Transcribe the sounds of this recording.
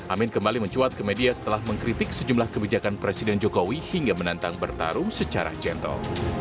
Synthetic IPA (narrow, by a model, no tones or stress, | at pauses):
ʔamɪnkəmbaliməɲt͡ʃuat̪̚kəmediasə̥t̪əlahməŋkɾit̪ɪk̚səd͡ʒumlahkəbid͡ʒakanpɾesidɛnd͡ʒokowihiŋɡamənant̪aŋbərt̪a̰ɾʊmsət͡ʃaɾa̰d͡ʒɛnt̪ə̰l